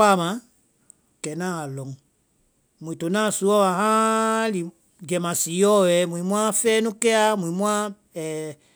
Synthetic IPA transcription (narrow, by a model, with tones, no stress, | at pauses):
a˦˨mã˨ | kɛ˨nã˦a˨lɔ̃˨ŋ | mũ˨ĩ˨to˨nã˦˨su˨˦ɔ˦wa˨hã˦li˨ | d͡ʒɛ˨mã˨si˨˦jɔ˦wɛ˨˦mũ˨ĩ˨mũ˦ã˦fɛː˦nũ˦kɛ˦a˦mũ˨ĩ˨˦mũ˦ã˦ | ɛ˨